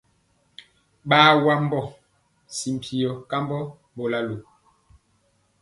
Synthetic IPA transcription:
ɓaː˦wa˦m˦bɔ˦˨ | si˨m̩˨pʰi˨ɔ˨ka˦mbɔ˦ | bo˨la˦lo˨

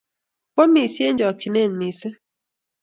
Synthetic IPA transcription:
po˦mi˨sje˦n˦d͡ʒɔ˨k̚t͡ʃi˨ne˦˨n˨mi˨sə˦

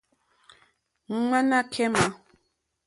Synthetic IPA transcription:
ŋ̩˦ŋ͡ma˦na˦kʰɛ˦ma˨˦

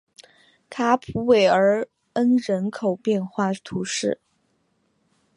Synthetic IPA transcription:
kʰa˥pʰu˧˥we˨˩ɪə˞˧˥ | ə˥nɻə˧˥nkʰo˨˩ʊpjɛ˥˧nxwa˥˩t̪ʰu˧˥ʂɻ̩˥˩

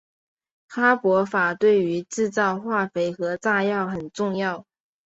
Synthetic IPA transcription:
xa˥pwɔ˧˥fa˨˩t̪we˥˩ɪy˧˥ʈ͡ʂɻ̩˥˧t͡sɑ˥˧ʊxwa˥˩fe˧˥ɪxɤ˧˥t͡sa˥˧jɑ˥˩ʊxə˨˩nʈ͡ʂʊ˥˧ŋjɑ˥˩ʊ

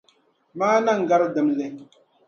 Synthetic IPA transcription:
maː˦na˦ŋ̩˨ɡa˦ɾɨ˦dɨ˦mlɛ˦

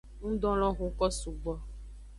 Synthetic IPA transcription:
nũ˦ɖɔ̃˦lɔ̃˦ɣo˨kɔ˦su˨ɡ͡bɔ˨˦

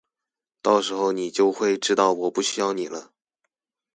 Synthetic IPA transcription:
t̪ɑ˥˩ʊʂɻ̩˧˥xo˥˧ʊni˨˩t͡ɕjo˥˧ʊxwe˥˧ɪʈ͡ʂɻ̩˥t̪ɑ˥˩ʊwɔ˨˩pu˥˩ɕy˥jɑ˥˧ʊni˨˩lə˦

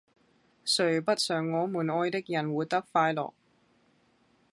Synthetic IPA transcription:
sɵ˨˩ɥpɐ˥t̚sœː˨˩ŋːɔː˨˧muː˨˩nɔː˧jt̪ɪ˥k̚jɐ˨˩nwuː˨˥jt̪ɐ˥k̚faː˧jlɔ̰ː˨˩k̚

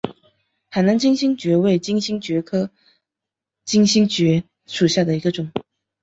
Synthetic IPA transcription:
xa˨˩ɪna˧˥nt͡ɕi˥ŋɕi˥ŋt͡ɕɥɛ˧˥we˥˩ɪt͡ɕi˥ŋɕi˥ŋt͡ɕɥɛ˧˥kʰɤ˥ | t͡ɕi˥ŋɕi˥ŋt͡ɕɥɛ˧˥ | ʂu˨˩ɕja˥˩d̪ə˩i˧˥ɡə˧ʈ͡ʂʊ˨˩˦ŋ

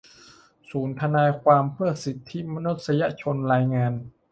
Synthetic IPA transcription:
suː˩˦nt̪ʰa˧naː˧jkʰwaː˧mpʰɯ˥˩ɐsi˨˦t̪ʰːi˦˥ma˧nu˦˥t̪̚sa˧ja˧˥t͡ɕʰo˧nɾaː˧jŋaː˧n

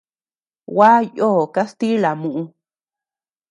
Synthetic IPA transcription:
wa˦joː˦˨ka˦st̪i˦la˨mũ˨ʔũ˧

